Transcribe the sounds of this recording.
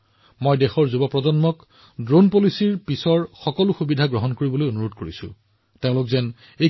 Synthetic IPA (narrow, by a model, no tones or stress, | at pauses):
mojdexɔɹzubɔpɹɔzɔnmɔk | dɹonpolisiɹpisɔɹxɔkɔlʊxubidʱaɡɹɔɦɔnkoɹibolojonuɹodkoɹisʊ̰̃ | teʊ̃lʊkzɛn | e